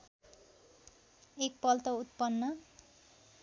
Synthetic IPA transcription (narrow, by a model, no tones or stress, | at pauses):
ek̚pʌlt̪ʌut̪pʌnːʌ